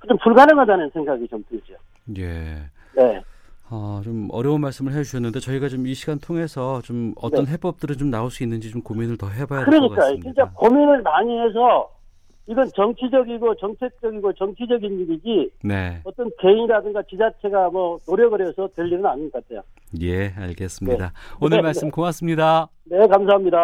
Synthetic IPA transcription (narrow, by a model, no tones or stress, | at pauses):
kɯd͡ʑompuɭɡanɯŋadanɯnsʰe̞ŋɡaɡit͡ɕompɯd͡ʑio̰ | je̞ | ne̞ | ʌt͡ɕomʌɾjʌunmaɭs͈ɯmɯɭɦed͡ʑuɕʰʌnːɯnde̞t͡ɕʌiɡat͡ɕomiɕʰiɡantʰoŋe̞sʰʌt͡ɕomʌtnʌnɦe̞p͈ʌp̚t͈ɯɾɯnt͡ɕomnaoɭs͈uinːɯnd͡ʑit͡ɕomkominɯɭtʌɦebajakɯɾʌɲik͈ajot͡ɕʰint͡ɕ͈akominɯɭnaɲiɦe̞s̬ʰʌ | iɡʌnt͡ɕʌŋt͡ɕʰid͡ʑʌɡiɡot͡ɕʌŋt͡ɕʰe̞k̚t͡ɕ͈ʌɡiɡot͡ɕʌŋt͡ɕʰid͡ʑʌɡinːiɾid͡ʑine̞̰ʌt͈ʌnke̞iŋiɾadɯŋɡat͡ɕid͡ʑat͡ɕʰe̞ɡamʌnoɾjʌɡɯɾjʌsʰʌtɯʎːinɯnaɲinɡʌk͈atʰejo | je̞a̰ɭɡe̞s͈ɯmɲnidaonɯɭmaɭs͈ɯmkoŋas͈ɯmɲida | ne̞kams̬ʰaɦamɲida